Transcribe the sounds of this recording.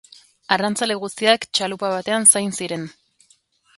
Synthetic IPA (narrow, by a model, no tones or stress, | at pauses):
arant͡saleɣ̞ust̪iakt͡ʃalupaβat̪e̞ansajnsiɾe̞n